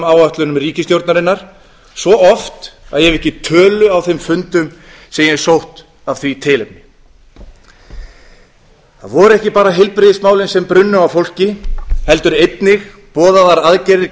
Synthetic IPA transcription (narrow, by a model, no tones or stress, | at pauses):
maːwaht̪lʏnʏmriːcɪst̪jowɾt̪naɾɪnːaɾ̥ | svɔɔft̪aðjɛvɛhcɪt̪ʰœːlʏawθɪmfʏnt̪ʏm | sɛjɛ̥sowht̪ | av̥θɥit̪ʰɪːlɪm | θa̰ðvɔɾʏɛhcɪpaːɾaɦɪlpɾɪðɪsmaːwlɪnsɛmpɾʏnːʏmawfowl̥cɪhɛl̪t̪ʏɾejt̪nɪx | pɔːðaðaɾaðcɛɾɪɾ